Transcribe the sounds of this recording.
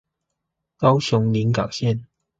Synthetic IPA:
kɑ˥ʊɕʊ˨˧˥ŋli˨˥nkɑ˨˩ʊɕjɛ˥˨n

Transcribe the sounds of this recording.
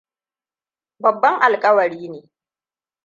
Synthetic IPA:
bɐ˨bːɐ˦ŋʔa˨lkʼɐ˦wɐ˨ɾiː˦neː˨

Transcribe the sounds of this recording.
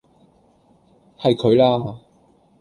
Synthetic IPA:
hɐ˨jkʰɵ˨˧ɥlaː˥

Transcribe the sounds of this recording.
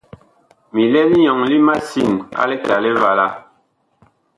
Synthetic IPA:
mi˨lɛ˦li˦ɲɔ˨ŋli˦ma˦si˦˨na̰˦lɛ˦ka˨lɛ˦va˨la˦˨

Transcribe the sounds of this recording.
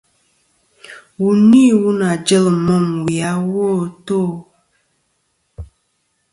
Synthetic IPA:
wu˨ni˦˨wu˦na˨d͡ʒə˦lmɔ˦˨mwi˨a˨˦wo˦˨to˦˨

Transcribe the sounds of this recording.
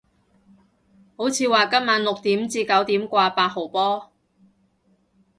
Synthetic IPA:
ho˨˥wt͡sʰiː˨˧waː˨kɐ˥p̚maː˨˧˥nlʊ˨k̚t̪iː˨˥mt͡siː˧kɐ˨˥wt̪iː˨˥mkʷaː˧paː˧t̚ho˨˩pɔː˥

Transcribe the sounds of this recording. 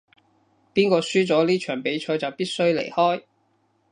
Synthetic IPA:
piː˥nkɔː˧syː˥t͡sɔː˨˥liː˥t͡ʃʰœː˨˩ŋpe˨˥jt͡ʃʰɔː˨˥jt͡sɐ˨wpiː˥t̚sɵ˥ɥlḛ˨˩jhɔː˥j

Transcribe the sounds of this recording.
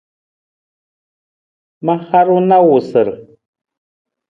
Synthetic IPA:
ma˦ha˦ɾu˦na˦wu˨sə˨ɾ

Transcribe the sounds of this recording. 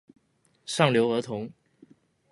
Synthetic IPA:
ʂɑ˥˩ŋljo˧˥ʊə˞˧˥t̪ʰʊ˧˥ŋ

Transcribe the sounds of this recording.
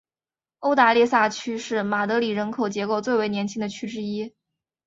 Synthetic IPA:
o˥ʊt̪a˧˥li˥˧sa˥˩t͡ɕʰy˥ʂɻ̩˥˩ma˨˩t̪ɤ˧˥li˨˩ɻə˧˥nkʰo˨˩ʊt͡ɕjɛ˧˥ko˥˩ʊt͡swe˥˩ɪwe˧˥ɪnʲjɛ˧˥nt͡ɕʰi˥ŋd̪ə˨˩t͡ɕʰy˥ʈ͡ʂɻ̩˥i˥

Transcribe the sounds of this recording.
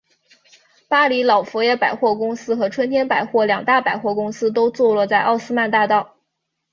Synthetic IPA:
pa˥li˧˥lɑ˨˩ʊfu˧˥jɛ˥˩pa˨˩ɪxwɔ˥˩kʊ˥ŋsɹ̩˥xɤ˧˥ʈ͡ʂʰwə˥nt̪ʰjɛ˥npa˨˩ɪxwɔ˥˩ljɑ˨˩ŋt̪a˥˩pa˨˩ɪxwɔ˥˩kʊ˥ŋsɹ̩˥t̪̬o˥ʊt͡swɔ˥˧lɔ˥˧t͡sa˥˧ɪʔɑ˥˩ʊsɹ̩˥ma˥˧nt̪a˥˧t̪ɑ˥˩ʊ

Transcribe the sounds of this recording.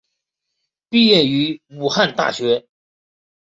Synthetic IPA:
pi˥˧jɛ˥˩ny˧˥mu˨˩xa˥˧nt̪a̰˥˩ɕɥɛ˧˥

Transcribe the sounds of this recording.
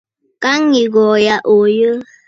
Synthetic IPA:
ka˦ŋi˨ɡɔ˨ja˨ʔo˨jə˦

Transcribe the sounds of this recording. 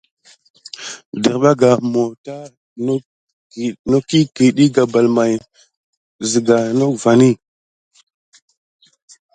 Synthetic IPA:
di˨ɾɓa˦ɡa˨mo˨ta˦ | n˦˨ | no˦ki˦ki˨ɗi˦ɡa˨ba˨lma˨j | zi˨ɡa˨no˦kva˨ni˦

